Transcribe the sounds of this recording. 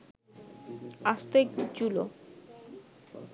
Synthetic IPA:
aʃt̪oek̚ʈit͡ɕulo̰

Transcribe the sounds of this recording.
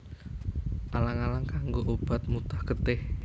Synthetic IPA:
ʔalaŋalaŋkaŋɡoʔob̥a̤t̪̚mut̪ḁhɡ̥ət̪ɪh

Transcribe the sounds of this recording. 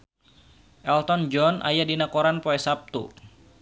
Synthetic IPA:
ʔɛlt̪ɔnd͡ʒɔnʔa̰jadinakɔɾanpɔɛsap̚t̪ṵ

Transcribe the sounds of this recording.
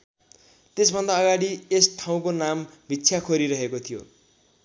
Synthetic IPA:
t̪esbʱʌnd̪aːɡaɽiesʈʰaw̃konambʱitːsʰjakʰoɾiɾʌɦekot̪ʰijo̰

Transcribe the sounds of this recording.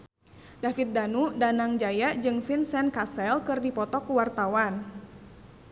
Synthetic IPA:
dafit̪̚danudanaŋd͡ʒajad͡ʒɨŋfinsɛnkasɛlkɨrdipɔt̪ɔkuwart̪awan

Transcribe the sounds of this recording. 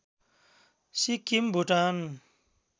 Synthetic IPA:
sikimbʱuʈan

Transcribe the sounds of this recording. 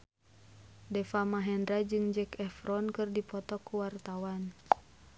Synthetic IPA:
dɛfamaɦɛndɾad͡ʒɨŋd͡ʒɛkɛfɾɔnkɨrdipɔt̪ɔkːuwart̪awan

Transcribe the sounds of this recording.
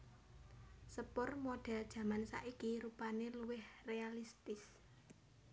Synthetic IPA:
səpʊrmoɖ̥ɛ̤ld̥ʒ̥ä̤mansa̰ʔikiɾupaneluwɪhrealist̪ɪs

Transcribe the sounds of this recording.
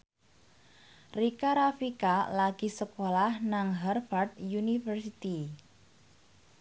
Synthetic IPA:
rikaɾafikalaɡ̥i̤səkolahnaŋɦarfard̪̚junifərsit̪i

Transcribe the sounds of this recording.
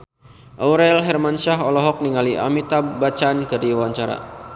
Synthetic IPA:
ʔɔwɾɛlɦɛrmanʃaɦɔlɔɦɔk̚niŋaliʔa̰mit̪abat͡ʃankɨrdiwaɲt͡ʃaɾa̰

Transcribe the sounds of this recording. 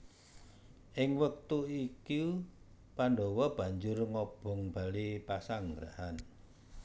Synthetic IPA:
ʔɪŋwək̚t̪uiki | paɳɖɔwɔb̥a̤ɲd͡ʒʊrŋɔb̥ɔ̤ŋb̥a̤lipasaŋɡɾa̰han

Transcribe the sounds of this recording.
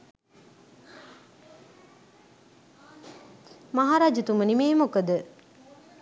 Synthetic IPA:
maɦaɾad͡ʒut̪umənimeːmokəd̪ə

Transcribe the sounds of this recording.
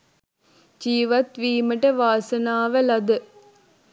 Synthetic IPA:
d͡ʒiːʋat̪ʋiːməʈəʋaːsɐnaːʋəlɐd̪ə

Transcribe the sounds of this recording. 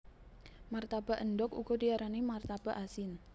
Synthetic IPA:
mart̪ab̥a̤ʔəndɔkṵɡ̥ɔdiaɾanemart̪ab̥a̤ʔasɪn

